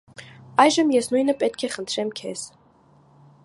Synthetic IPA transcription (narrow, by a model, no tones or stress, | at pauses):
ɑjʒəmjɛsnujnəpɛt̪̚kʰɛχənt̪ʰɾɛmkʰɛz̥